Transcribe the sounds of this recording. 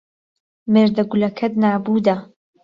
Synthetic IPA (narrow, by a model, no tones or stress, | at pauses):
meːɾd̪ɐɡulɐkʰɐd̪naːbuːd̪ɐ